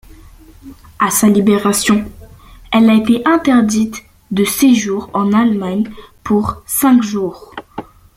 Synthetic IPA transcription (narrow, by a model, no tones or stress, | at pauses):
asalibeʁasjɔ̃ | ɛlaet̪eʔɛ̃t̪ɛʁd̪it̪ | d̪əseʒuʁɑ̃nalmaɲpʰuʁsɛ̃kʒuːʁ